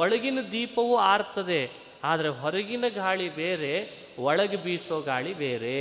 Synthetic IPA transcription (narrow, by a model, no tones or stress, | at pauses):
ɔɭɐɡinɐd̪iːpɐʋuaːɾt̪ːɐd̪e̞ | aːd̪ɐɾeɦɔɾɐɡinɐɡaːɭibeːɾe | ʋɔɭɐɡebiːsoːɡaːɭibeːɾe